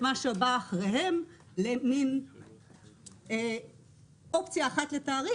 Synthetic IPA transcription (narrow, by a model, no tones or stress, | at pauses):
maʃebaːχʁeɦe̞m | lemin | e | ʔo̞pt͡sjaːχat̪let̪aːʁi